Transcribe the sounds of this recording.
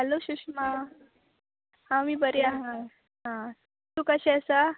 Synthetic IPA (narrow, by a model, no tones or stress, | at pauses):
ɦəloɕukɕma | hãmiːbəɾiaɦã | ɦã | t̪ukəɕɛəsa